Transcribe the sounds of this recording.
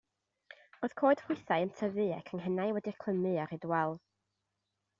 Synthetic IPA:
oːð̥kʰoːɨd̥hʰʊɨθajəntʰəvɨɛ̰kʰəŋɦənajwɛdɨkʰl̥ˠəmɨaɾɨdwɛlˠð

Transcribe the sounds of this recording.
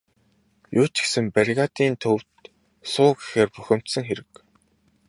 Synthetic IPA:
jʊːt͡ɕsɘ̆mpaɾʲɣaːt̪iːnt̪ʰɵw̥t̪ | sʊːɡixeːrpuxʲɪ̆m̥t̪sɘ̆ŋxeɾɘ̆k

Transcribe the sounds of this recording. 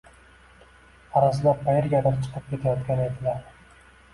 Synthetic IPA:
aɾaz̬ɪlap̚pʰajɪɾɡʲad̪aɾt͡ʃʰɨ̥qʰɨp̚kʲe̞t̪ʰajɒt̪kʲanɪed̪ɪlaɾ

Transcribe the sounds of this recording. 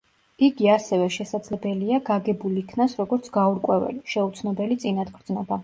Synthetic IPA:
iɡiasɛvɛʃɛsad̪z̥lɛbɛliaɡaɡɛbuliikʰnasɾɔɡɔɾt̪sʰɡ̥auɾkʼwɛvɛ̰liʃɛut̪sʰnɔbɛlit̪sʼinad̪ɡʰɾd̪znɔba

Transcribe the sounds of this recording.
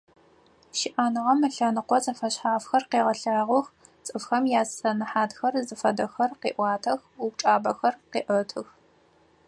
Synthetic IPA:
ʃɪʔaːnɨʁɐmɨɬɐnɨqʷɔt͡sʼɐfɐɕħaːfxɐrqeːʁɐɬaːʁʷʊx | t͡sʼɨfxɐmjaːsɐnɨħaːtxɐrzɨfɐdɐxɐrqḛːʔʷɑːtʰɐxup̚ʈ͡ʂʼaːbɐxɐrqḛːʔɐtʰɨx

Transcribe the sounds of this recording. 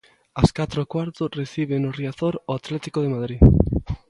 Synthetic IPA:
askat̪ɾokwaɾt̪oreθiβ̞enoriaθoɾoat̪lɛt̪ikoð̞emað̞ɾi

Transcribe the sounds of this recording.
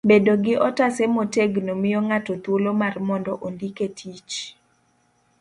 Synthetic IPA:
bedoɡɪʔɔtasemoteɡnomɪjɔŋatɔt̪wolomarmɔndɔʔondiketʰit͡ʃ

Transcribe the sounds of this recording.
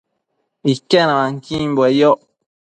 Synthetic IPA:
ikɛnãlaŋkimbwɛjɔ

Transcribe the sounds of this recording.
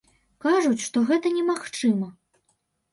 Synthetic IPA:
kaʐut͡sʲʂt̪ɔɣɛt̪ɐnʲɛmaxt͡ʂɨmɐ

